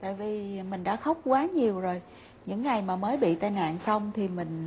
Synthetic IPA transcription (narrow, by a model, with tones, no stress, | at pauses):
t̪a̰ː˧˨jvi˨˩mï˨˩ŋ̟ɗa̰ː˧˥xə˦˥wk͡p̚kwaː˨˦ɲi˨˩əwzo˨˩j | ɲɨ̰˧˥ŋːa˨˩jmaː˨˩məː˨˦jɓḭ˧˨t̪aː˧jna̰ː˧˨nsa˧wŋ͡mt̪ʰi˨˩mï˨˩ŋ̟